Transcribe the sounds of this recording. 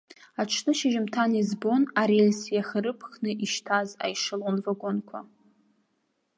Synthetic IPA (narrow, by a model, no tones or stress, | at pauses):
aʈ͡ʂʰnɨʃɪʒɪmtʰanizbo̞naɾelʲsjaχəɾɨpʰχnɨʔiʃtʰaza̰jʂɨlonvaɡʷʊnkʷʰa̰